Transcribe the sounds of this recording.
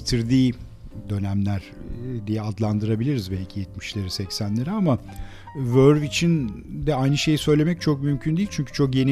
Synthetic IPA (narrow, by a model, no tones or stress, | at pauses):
t̪ʰiɾd̪iː | d̪ø̞næmlʲæɾ̥ | d̪ijɛad̪lˠand̪ɯɾabilʲiɾizbɛlʲcʰijɛt̪mi̥ʃlʲe̞ɾisɛcsænlʲe̞ɾiama | vøɾvit͡ʃʰind̪ɛajnɯʃe̞jisø̞jlʲe̞mɛc̚t͡ʃʰo̞k̚mymcʰynd̪ijilʲt͡ʃʰyɲcʰy̥t͡ʃʰo̞kje̞n